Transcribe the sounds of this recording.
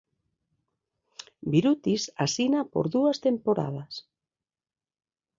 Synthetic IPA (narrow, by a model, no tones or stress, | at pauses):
biɾut̪isasinapo̰ɾðuast̪empoɾa̰ð̞as